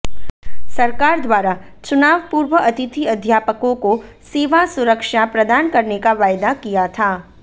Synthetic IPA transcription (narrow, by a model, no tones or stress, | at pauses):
sɐɾkaːɾd̪ʋaːɾat͡ʃʊnaːʋpuːɾʋəɐt̪ɪt̪ʰiɐd̪ʱjaːpəkõko | seːʋasʊɾəkʃapɾɐd̪aːnkɐɾnekaʋaːjd̪akijat̪ʰaː